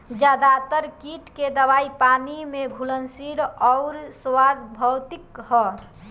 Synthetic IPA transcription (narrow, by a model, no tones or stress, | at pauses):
d͡ʒaːd̪at̪əɾkiʈked̪əbaːipanimeɡʱulənsiɾɔʊɾswad̪bʱəwt̪ɪkɦɔ